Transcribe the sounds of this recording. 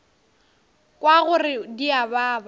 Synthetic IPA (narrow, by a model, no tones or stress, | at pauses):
kʼwaɣʊrɪdiabaːba